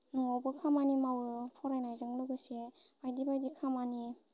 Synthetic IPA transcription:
nɔŋawbɯkʰamanimawɯpʰɔɾajnajzɯŋlɯɡɯseajdibajdikʰamani

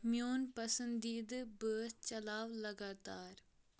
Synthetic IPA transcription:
mjoːnpəsə̃nd̪iːd̪bəːst͡ʃɐlaːʋləɡaːt̪aːɾ

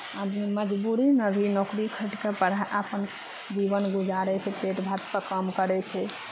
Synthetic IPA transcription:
ad̪miməd͡ʒbuɾinəbʱinokɾikʰəʈkepəɽ̤aʔapən | d͡ʒibənɡud͡ʒaɾɛt͡ʃʰɛpeʈbʱat̪pəkəmkəɾɛt͡ʃʰɛ

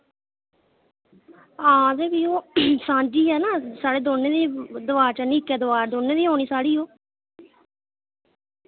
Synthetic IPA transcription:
ãːd͡ʒeːbiːoːsãːd͡ʒiːɦɛːnãːsaːɽeːd̪oːneːd̪iːd̪ʊʋaːɾt͡ʃaniːkɛːd̪ʊʋaːɾd̪oːneːd̪iːɦoːñiːsaːɽiːoː

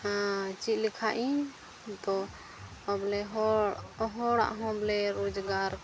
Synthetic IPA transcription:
t͡ʃilikʰaʔĩ | t̪ɔː | blɛɦ | ɦɔɽa̰ʔɦɔ̃blɛɾod͡ʒɡaɾ

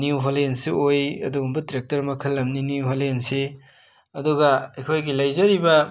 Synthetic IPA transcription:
niwɦolensiojɐ̰duɡumbɐtɾek̚tɐɾmɐkʰɐlːɐmniniɦolense | ɐduɡɐɐjkʰojɡilɐjzɐɾibɐ

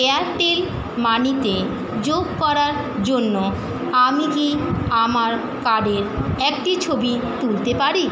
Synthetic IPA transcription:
eaɾʈel | manit̪e | d͡ʑoɡ̚kɔɾaɾ | d͡ʑonːo | amikiamaɾ | kaɖeɾɛkʈit͡ɕʰobi | t̪ult̪epaɾi

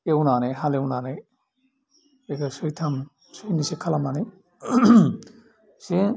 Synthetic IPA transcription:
ewnaneɦalewnane | ekasɯjtʰam | sujnisekʰalamane | si

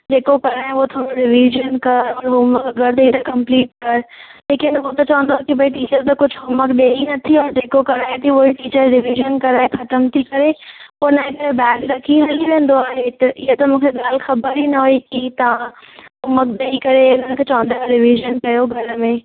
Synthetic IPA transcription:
d͡ʑeːkokɐɾaːɦɪ̃uɦot̪ʰoːɾoɖɪʋiʒənkɐɾɔːɾɦʊməkɡʱɐɾt̪ɐit̪ɐkɐ̃mpliːʈ̚kɐɾleːkɪnot̪ɐt͡ɕɐʋə̃nd̪oakibɐiʈiːt͡ɕəɾt̪ɐkʊd͡ʑʱɦʊməkɗeːinɐt̪ʰiɔːɾd͡ʑeːkokɐɾaːɦet̪ʰioɦiʈiːt͡ɕəɾɖɪʋiːʒənkɐɾaːexɐt̪əmt̪ʰikɐɾepoɾnaːĩkɐɾebɛːʈɖɾɐkʰiɦɐliʋẽːn̆d̪oaːɦet̪ɐʔɪɦot̪ɐmũːkʰeɠaːlxɐbəɾɦinɐʋoikit̪ɐʋã | ɦʊmək̚ɗ̪eːikɐɾeʊn̤əɽ̃kʰeːt͡ɕɐʋə̃nd̪aːɖɪʋiʒənkɐjoɡʱɐɾmẽː

